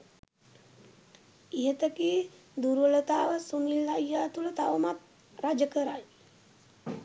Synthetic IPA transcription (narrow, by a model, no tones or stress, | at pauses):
iɦət̪əki | d̪uɾuʋələt̪aːʋəsunilːajːaːt̪ulət̪aʋəmat̪̚ | rad͡ʒəkəɾaj